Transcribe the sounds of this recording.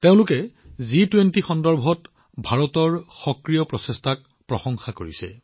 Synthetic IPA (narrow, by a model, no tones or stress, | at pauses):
teʊ̃lʊkɛzitwentixɔndɔɹbʱɔt | bʱaɹɔtɔɹxɔkɹijɔpɹɔsestʰak̚ | pɹɔsɔŋxakoɹḭsɛ̰